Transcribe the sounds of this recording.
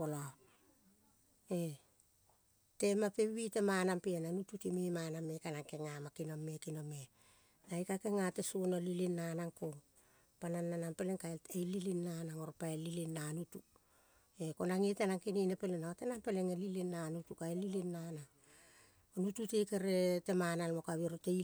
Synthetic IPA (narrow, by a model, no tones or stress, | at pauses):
pola | e | te̞mapeβitemanampeenanututimemanamekanaŋke̞ŋamakinomːekinome | najkakeŋatesonolilinːanaŋko̞ | pananːanampeleŋkaeejlilinːanaŋo̞ɾpaelilinːanutu | e̞ko̞naŋitenaŋkininepelenawotenampeleŋelilinːanutukaelilinːanaŋ | onututekeɾete̞manalmokaβiɾote